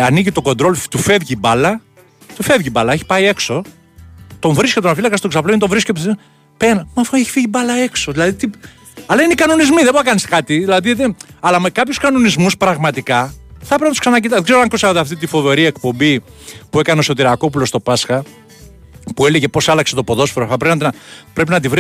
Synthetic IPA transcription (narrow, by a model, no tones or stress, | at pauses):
ɐniʝit̪o̞ko̞nd̪ɾo̞lt̪ufe̞vʝibɐlɐ | t̪ufe̞vʝibɐlɐeçi̥pɐie̞kso̞ | t̪o̞ɱvɾiskeonafilɐkɐst̪oksɐploinet̪õvɾiskep | penmɐfeçi̥fiʝibɐlɐe̞kso̞ðilɐðit̪i | ɐlɐineikɐno̞nizmiðeboɐkɐniskɐt̪iðilɐðiðeɐlɐme̞kɐpçuskɐno̞nizmuspɾɐɣmɐt̪ikɐθɐpɾeinɐt̪u̥sksɐnɐc̬it̪ɐðeɡzeɾoɐŋkosɐðeɐft̪it̪̬ifo̞ve̞ɾie̞kpo̞mbipue̞kɐneoso̞t̪iɾɐko̞pulo̞st̪o̞pɐsxɐ | pue̞leʝe̞po̞sɐlɐkse̞t̪opo̞ðo̞sfoɾoɐp̬ɾepinɐt̪pɾe̞p̬inɐt̪̬ivɾi